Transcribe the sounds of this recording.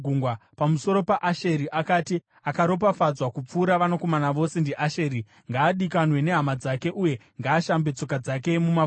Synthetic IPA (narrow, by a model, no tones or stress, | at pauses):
uŋɡwapamuso̞ɾo̞paʔaʃeɾiʔakati | akaɾo̞p̬afad͡zwakup͡fuːɾaʋanoko̞manaʋo̞sendiʔaʃeːɾi | ŋɡaːɗikanwe̞ne̞ɦamad͡zake̞ʔuje̞ŋɡaːʃambe̞t͡so̞kad͡zake̞muma